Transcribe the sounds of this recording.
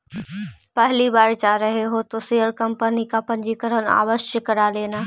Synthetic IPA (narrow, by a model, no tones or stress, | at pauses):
pɛɦlibaːɾd͡ʒaːɾəɦeɦot̪osejəɾkɐmpənikapɐ̃ɲd͡ʒikəɾəna̰ːʋəʃjəkəɾaleːnaː